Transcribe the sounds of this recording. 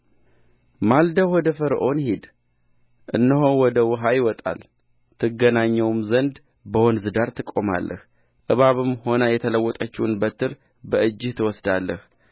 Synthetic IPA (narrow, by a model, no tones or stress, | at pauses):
mald̪əwɔd̪əfəɾʔo̞nhid̪ | ʔɨ̰nːɨɦowɔd̪əwʊɦajɪwɔt̪ʼa̰l | t̪ʰɨɡːənaɲːɛwmzənd̪ | bəwonzɨd̪aɾt̪ʰɨkʼːo̞ma̰lːʔə̰h | ʔʼɨβaβɨmho̞nəjɛt̪ʰələwːɔt̪ʼət͡ʃːiwnbət̪ʰɨɾ | bəʔɨd͡ʒːɪht̪ʰɨwɔsd̪alːəh